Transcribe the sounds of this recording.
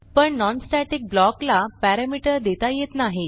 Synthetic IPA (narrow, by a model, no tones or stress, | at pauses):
pəɳnɔnsʈaʈik̚blɔklapæɾamiʈəɾd̪et̪ajet̪naɦi